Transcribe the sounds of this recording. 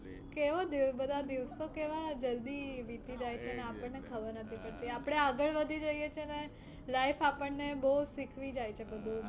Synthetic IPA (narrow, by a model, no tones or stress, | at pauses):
keʋod̪ibəd̪ʱad̪iʋsokeʋad͡ʒəld̪iʋit̪id͡ʒajt͡ʃʰeneapəɳnekʰəbəɾnət̪ʰipəɽt̪iapɽ̃eaɡəɭʋəd̪ʱid͡ʒəjet͡ʃʰene | laifapəɳnebəɦusikʰʋid͡ʒajt͡ʃʰebəd̪ʱũ